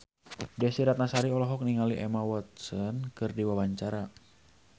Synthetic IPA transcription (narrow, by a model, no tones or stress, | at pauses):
dɛsiɾat̪̚nasaɾiɔlɔɦɔk̚niŋaliʔɛmawɔt̪̚sɔnkɨrdiwawaɲt͡ʃaɾa